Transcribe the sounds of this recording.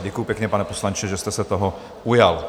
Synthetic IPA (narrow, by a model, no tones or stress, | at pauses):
ɟɛkujupjɛkɲɛpanɛposlaɲt͡ʃɛʒɛst̪ɛsɛt̪oɦo | ujal